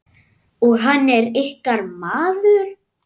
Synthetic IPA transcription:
ɔɣɦanːɛɾɪhkaɾmaːðʏɾ̥

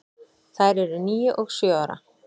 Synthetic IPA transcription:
θajɾɛɾʏniːjʏʔɔɣsjœːaɾa̰

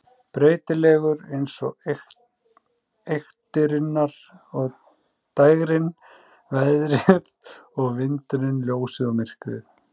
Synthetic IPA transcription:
pɾeːjt̪ɪlɛːɣʏɾejnsɔɣ | ejxt̪ɪɾɪnːaɾ̥ | ɔɣ | t̪ajɣɾɪn | vɛðɾɪð | ɔɣvɪnt̪ʏɾɪnljoːwsɪðɔmɪr̥kvɪ̰θ

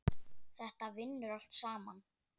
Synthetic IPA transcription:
θɛht̪avɪnːʏɾal̥t̪saːma̰n

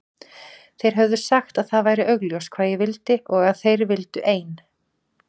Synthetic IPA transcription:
θejɾ̥ɦœvðʏ̥saxt̪aðθaðvaːjɾɪʔœɣljowskʰv̥aːðjɛvɪlt̪ɪʔɔɣaðθejɾvɪlt̪ʏʔeːjn

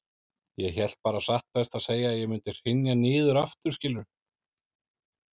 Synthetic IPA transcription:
jɛçɛl̥t̪̚paːɾasaht̪̚pɛst̪aðseːjaːjɛɣmʏnt̪ɪr̥ɪnjanɪːðʏɾaft̪ʏ̥scɪlːʏɾ̥

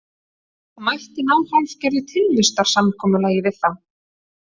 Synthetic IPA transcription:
amajht̪ɪnaːwhalfcɛɾðɪt̪ʰɪlvɪst̪aɾ̥samkʰɔːmʏlaːjɪvɪðθaw

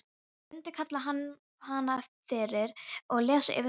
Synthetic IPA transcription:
ʏnt̪ʏ̥kʰat̪laɦanː | haːnafɪɾɪɾɔɣlɛːsʏ̰ʔɪ̰vɪ

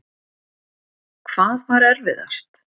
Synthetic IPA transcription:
kʰv̥aːðvaɾɛɾvɪða̰st̪

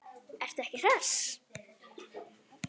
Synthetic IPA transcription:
ɛr̥t̪ɛhcɪθɛs

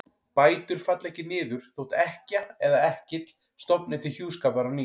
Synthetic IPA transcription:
paːjt̪ʏɾ̥fat̪lɛhcɪnɪːðʏɾ̥θowht̪ɛhcaɛðaɛhcɪt̪l̥ | st̪ɔpnɪt̪ɪçjuːskaːpaɾani

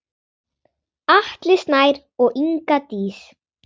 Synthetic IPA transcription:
aht̪lɪst̪naːjɾ | ɔɣʔiŋkat̪iːs

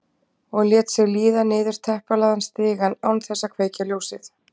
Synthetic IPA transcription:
ɔɣljɛːt̪sjɛɣliːðanɪːðʏɾ̥t̪ʰɛhpalaːðanst̪ɪːɣanawnθɛsːakʰv̥eːjcaljoːwsɪθ

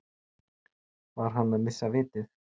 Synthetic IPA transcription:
vaɾ̥ɦanːamɪsːavɪːt̪ɪθ

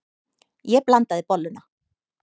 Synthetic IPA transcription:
jɛplant̪aðɪpɔlːʏna

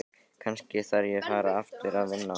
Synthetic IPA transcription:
kʰanscɪθaɾjɛɣfaːɾaaft̪ɪɾaðvɪnːa

